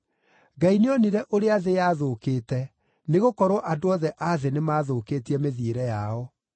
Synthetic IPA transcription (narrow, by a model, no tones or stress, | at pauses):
ɡaineɔniɾɛʔoɾeaðejaðokeːtɛ | neɣokɔɾɔʔadoɔðɛʔaðenemaːðokeːtiɛmeðieɾɛjaɔ